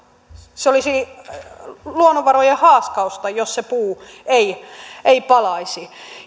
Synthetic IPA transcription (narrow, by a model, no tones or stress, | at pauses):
seolisi | luonoʋʋɑrojehɑːskɑust̪ɑjossepuːeieipɑlɑisi